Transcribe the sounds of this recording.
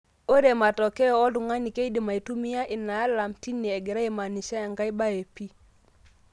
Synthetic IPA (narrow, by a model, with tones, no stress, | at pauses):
o˦ɾe˨ma˨tɔ˨kɛ˦ɔ˨ɔ˦du˨ŋa˦ni˨ke˦i˦di˨ma˨i˨tu˦mi˦ja˦ʔi˨nːa˨ja˦la˨mti˦nːi˨ɛ˨ɡe˨ɾa˦e˨ma˨ni˨ʃa˦a˨ŋɡa˦jba˦e˨pi˦